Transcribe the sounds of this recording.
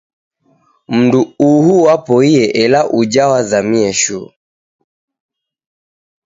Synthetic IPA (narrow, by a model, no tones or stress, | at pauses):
m̩nduuɦuwapɔiɛʔɛlaʔud͡ʒawazamiɛʃṵ